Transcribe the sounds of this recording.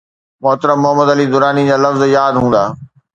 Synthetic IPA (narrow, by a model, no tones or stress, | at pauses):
mʊɦt̪əɾəmmːʊɦəmːəd̪ɐliːd̪ʊɾaːnid͡ʑaːlɐfzjaːd̪ɦũːnd̪aː